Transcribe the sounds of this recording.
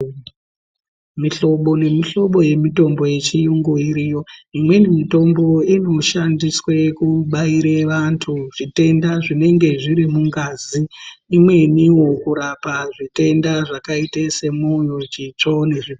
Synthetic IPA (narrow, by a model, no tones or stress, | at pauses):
miɬo̞ɓo̞ne̞miɬo̞ɓo̞je̞mito̞mbo̞je̞t͡ʃijuŋɡoiɾijo̞imwe̞nimito̞mbo̞ino̞ʃandiswe̞kuɓaiɾeʋantʰuʐite̞ndaʐine̞ŋɡe̞ʐiɾimuŋɡaziːmwe̞niwo̞kuɾapaʐite̞ndaʐakaitese̞mojo̞t͡ʃit͡ʂo̞ne̞ʐi